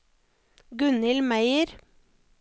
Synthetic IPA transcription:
ɡʉnɪlmæɪəɾ

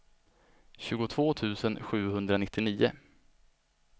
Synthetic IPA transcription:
ɕʉ̟ːɡʊt̪ʰvoːt̪ʰʉ̟ːsənɧʉ̟ːhɵnd̪ɾanɪt̪ːɪniːʊ̰

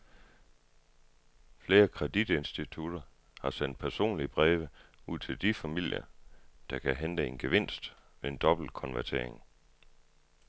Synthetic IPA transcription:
fle̝ːɐkʰʁɛd̥id̥e̝nsd̥it͡sʰud̥ɐ | hɑ̈sen̰d̥̚pʰæɐso̝̰ːnliəb̥ʁɛːʋəuð̰ˠt͡sʰe̝ld̥ifæmil̰jɐ̰d̥ɑ̈kʰæɦend̥əe̝nɡ̥eʋe̝n̰sd̥ʋee̝nd̥ɒ̽b̥l̩kʰɒ̽nʋæɐt͡sʰe̝̰ɐ̰e̝ŋ

